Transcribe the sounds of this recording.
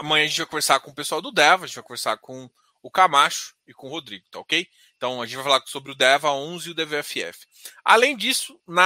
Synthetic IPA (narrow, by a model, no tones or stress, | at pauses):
ɐmɐ̃jɐ̃ɐʒẽt͡ʃɪvajkõveɾsaɾkõʊpesuawd̪ʊd̪ɛvɐʒẽt͡ʃvajkõveɾsaɾkõ | ʊkamaʃʊ̥ɪkõʊɦod̪ɾiɡʊt̪aokej | ẽt̪ɐ̃w̃ɐʒẽt͡ʃvajfalaɾsobɾɪʊd̪ɛvɐaõzɪʊd̪eveɛfɪɛ̰fɪ̥a̰lẽj̃d͡ʒisʊnɐ